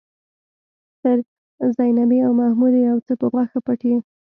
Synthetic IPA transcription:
t̪əɾ | zajnabiawmahmud̪iawt͡səpəɣwaxapaʈi

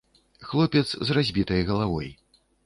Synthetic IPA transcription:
xlˠɔpʲɛt̪szrazʲbʲit̪ɐjɣɐlˠavɔ̰j

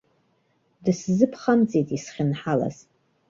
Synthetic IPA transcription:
dɨszɨpʰχamt͡sʼitʼisχʲɪnħala̰z

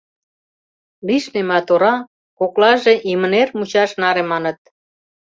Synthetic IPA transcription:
liʃnemɑt̪oɾɑ | koklɑʒeʔimə̆nermut͡ɕɑʃnɑɾemɑnə̆t̪̚

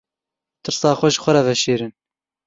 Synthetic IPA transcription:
t̪ɨɾsɑːxʷɛʒxʷɐɾɑvɛʃeːɾɨn

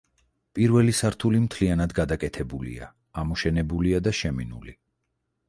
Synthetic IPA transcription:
pʼiɾvɛlisaɾt̪ʰulimt̪ʰlianad̪ɡad̪akʼɛt̪ʰɛbulḭa̰ | amɔʃɛnɛbuliad̪aʃɛminṵli

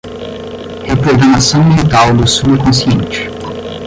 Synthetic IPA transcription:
hepɾoɡɾɐmasɐ̃w̃milit̪awd̪ʊsuɪkõsiẽnt͡ʃɪ̥

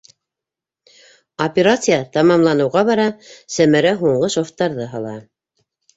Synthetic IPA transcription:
opʲeɾat̪sɨjat̪ɑmɑmlˠɑnɤ̆wʁɑβɑɾɑsæmæɾæɦuɴɢɤʃoft̪ːɑɾðɤɦɑlˠɑ̰

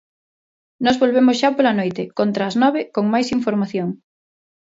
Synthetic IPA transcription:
nɔzβolβemʊsʃapolanojt̪ɪkont̪ɾaːznɔβekoŋmajsiɱfoɾmaθjoŋ

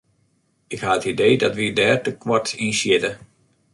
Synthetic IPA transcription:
ɪkhaətidejdɔtʋidɛːrtəkwɔtinsjɪtə

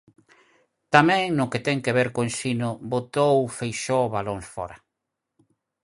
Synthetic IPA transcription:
t̪amɛ̃ŋnʊket̪ɛŋkeβeɾkoẽnsinʊbot̪owfejʃoβalõŋsfɔ̰ɾa

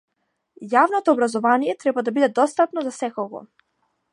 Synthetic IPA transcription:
javnɔt̪ɔːbɾazɔvanijɛt̪ɾɛbad̪abid̪ɛd̪ɔst̪apnɔzasɛkɔɡɔ̰

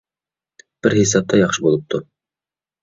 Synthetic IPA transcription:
b̥ɘɾhisɑp̚t̪ɑjɑχʃɤbulˠɤp̚t̪u

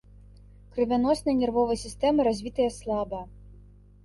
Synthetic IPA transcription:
kɾɨvʲanɔsnɐjnʲɛrvɔvɐjsʲist̪ɛmɨɾazʲvʲit̪ɐjɐslˠabɐ

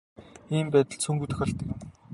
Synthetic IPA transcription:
iːmpæːt̪ə̆ɮsʰɵŋɡuːt̪ɘ̆xăɬt̪ə̆kʲ

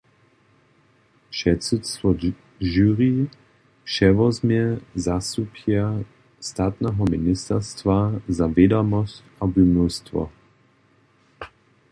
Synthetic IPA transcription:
ʃɛtsut̪st̪vɔ | ʒyʁi | ʃɛvɔzmjɛzast̪upja | st̪aːt̪nɛɦɔminist̪ɛrst̪vazavɛd̪ɔmɔscabumnust̪vɔ̰

